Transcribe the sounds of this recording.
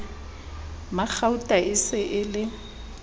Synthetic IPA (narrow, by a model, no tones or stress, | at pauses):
mak͡xautʼaɪsɪʔɪlɪ